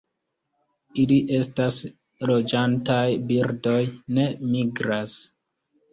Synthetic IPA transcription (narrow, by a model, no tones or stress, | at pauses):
iliʔe̞stas | ɾo̞d͡ʒantajbiɾdo̞jne̞miɡɾas